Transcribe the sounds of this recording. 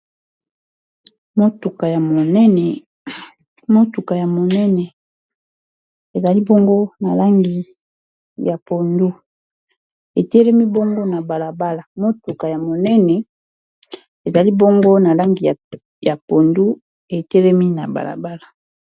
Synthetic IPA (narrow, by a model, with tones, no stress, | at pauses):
mo˦tu˨ka˨ja˨mo˨nɛ˦nɛ˨ | mo˦tu˨ka˨ja˨mo˨nɛ˦nɛ˨ | e˨za˨li˦bo˦ŋɡo˦na˨la˦ŋɡi˨ | ja˨po˨ndu˦ | e˨tɛ˦lɛ˦mi˦bo˦ŋɡo˦na˨ba˨la˨ba˦la˨mo˦tu˨ka˨ja˨mo˨nɛ˦nɛ˨ | e˨za˨li˦bo˦ŋɡo˦na˨la˦ŋɡi˨ | ja˨po˨ndu˦ | e˨tɛ˦lɛ˦mi˦na̰˨ba̰˨la̰˨ba˦la˨